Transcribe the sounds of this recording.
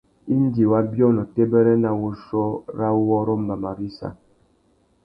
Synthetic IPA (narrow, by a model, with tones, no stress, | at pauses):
i˦n˦di˨wa˦bjɔ˦nɔ˨te˦bɛ˦ɾɛ˦na˦wu˦ʃɔ˦ɾa˦wɔ˦ɾo˦m˦ba˨ma˨ɾi˦sa̰˨